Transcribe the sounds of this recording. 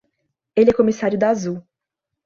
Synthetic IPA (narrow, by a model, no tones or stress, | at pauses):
elɪɛkomisaɾjʊd̪aazu